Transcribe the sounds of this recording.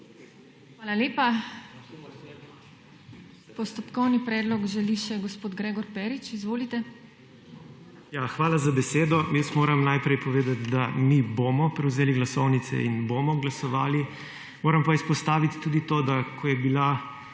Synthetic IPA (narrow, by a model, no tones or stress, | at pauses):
xʋaːlaleːpa | pɔst̪ɔpkɔwnipɾɛːd̪lɔɡʒɛliʃɛɡɔspoːd̪ɡɾeːɡɔɾpɛːɾit͡ʃizʋoːlit̪ɛ | jaxʋaːlazabɛseːd̪ɔjəsmoːɾɐmnajpɾɛjpɔʋeːd̪at̪d̪amibomɔpɾɛwzeːliɡlasɔwnit̪sɛ̰inboːmɔɡlasɔʋaːli | moːɾɐmpaispɔst̪aːʋit̪ːuːd̪it̪od̪akʰɔjɛbila